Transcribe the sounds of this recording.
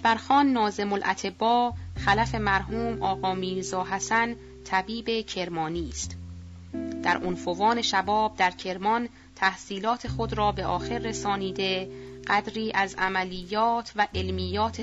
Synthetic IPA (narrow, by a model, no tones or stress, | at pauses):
bæɾxɒːnːɒːze̞molʔæ̰t̪ʰe̞bːɒːxælæfe̞mæɾɦuːmɒːɣɒːmiːɾzɒːɦæsæn | t̪ʰæbiːbe̞cʰe̞ɾmɒːniːst̪ | d̪̥æɾʔonfovɒːne̞ʃæbɒːb̚d̪æɾcʰe̞ɾmɒn | t̪ʰæhsiːlɒːt̪ʰe̞xod̪ɾɒːbe̞ʔɒːxe̞ɾːesɒːniːd̪e̞ɢ̥æd̪ɾiːʔæzæmæliːjːɒːt̪ʰvæʔe̞lmiːjːɒːt̪ʰe